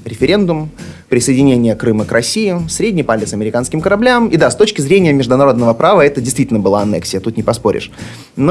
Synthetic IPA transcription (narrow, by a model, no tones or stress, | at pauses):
ɾʲɪfʲɪɾʲe̞nd̪ʊmpɾʲɪsəjɪdʲɪnʲenʲɪjəkɾɨməkɾʔɐsʲijɪsɾʲedʲnʲɪjpalʲɪt̪sɐmʲɪɾʲɪkanskʲɪmkəɾɐblʲamɪd̪ast̪o̞t͡ɕkʲɪzɾʲenʲɪjəmʲɪʐd̪ʊnɐɾo̞d̪nəvəpɾʔavəɛt̪ədʲɪjst̪ʲitʲɪlʲnəbɨlˠaɐnɛ̰ksʲɪjət̪ut̪nʲɪpɐspo̞ɾʲɪ̰ʂ | no